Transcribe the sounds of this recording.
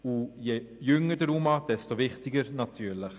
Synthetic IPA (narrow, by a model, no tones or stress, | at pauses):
ujɛjʏŋːəd̥əɾumɑd̥ɛstoʋɪχtɪɡəɾnɑt̪ʰyːɾləχ